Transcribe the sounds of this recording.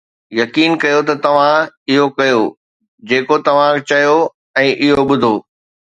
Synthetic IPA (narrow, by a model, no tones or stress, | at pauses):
jɐkiːnkɐjot̪ɐt̪ɐʋ̤ãɪɦokɐjo | d͡ʑeːkot̪ɐʋ̤ãt͡ɕɐjo | ɛ̃ːʔɪɦoɓʊd̪ʱoː